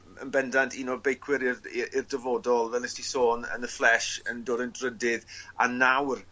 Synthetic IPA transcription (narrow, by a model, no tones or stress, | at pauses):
ə̰nbɛndantʰiːnɔbejkʰwɪɾɪrɪrdəvɔːdɔlˠvɛlɛstisoːnə̰nəflˠɛʃəndoːdəndrədɪða̰nawr